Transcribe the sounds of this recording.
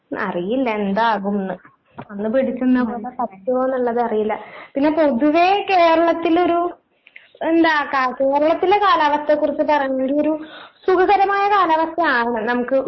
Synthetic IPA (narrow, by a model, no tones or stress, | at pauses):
ɐ̰rijilːɐe̞nd̪aːɣumnːɨ | ɐnːɨpiɽit͡ɕːunːɐpoːɭet̪ɐɾɐkːuoːnːuɭːɐðɨɐrijilːɐpinːe̞po̞ðuʋe̞ke̞ːɾɐɭɐt̪ːilo̞ɾu | end̪aːkːake̞ːɾɐɭɐt̪ːilekaːlaːʋɐst̪ːekːurit͡ɕːɨpɐrɐɲːeŋɡiloɾusuɡɐɣɐɾɐmaːjɐkaːlaːʋɐsjɐaːɳɐɳɐnɐmukːɨ